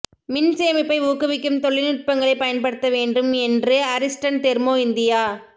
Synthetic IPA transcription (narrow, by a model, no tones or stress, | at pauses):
mɪnseːmɐɪpːɐɪuːkɯʋɪkːɯmt̪ɔɭːɪnɪʈ̚pɐŋɡɐɭɐɪpɐjɐnpɐɽɯt̪ːɐʋeːɳɖɯmɛndrɯɐɾɪsʈɐɳt̪ɛɾmoːɪnd̪ɪjaː